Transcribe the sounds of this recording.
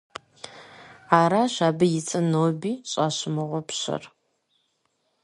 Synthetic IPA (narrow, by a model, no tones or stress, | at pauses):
aːɾaɕʷaːbɨjɪt͡sʼɨnowbiːɕʼaːɕɪmɨʁʷɔpʰɕɐ̰r